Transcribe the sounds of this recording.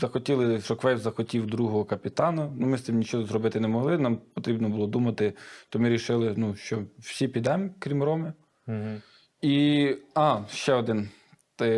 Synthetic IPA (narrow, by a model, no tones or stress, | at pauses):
zɐxɔtʲilˠɪʃɔkʋɛjwzɐxɔtʲiwd̪ɾuɦɔɦɔkɐpʲɪt̪ɑnɐnumɪst̪ɪmnʲit͡ʃɔɦɔzrɔbɪt̪ɪnɛmɔɦlˠɪnɑmpɔt̪ɾʲibnɔbʊlˠɔd̪umɐt̪ɪt̪ɔmɪɾʲiʃɪlˠɪnuʃt͡ʃɔwsʲipʲid̪ɛmkɾʲimrɔmɪ | iɑʃt͡ʃɛɔd̪ɪn | t̪ɪ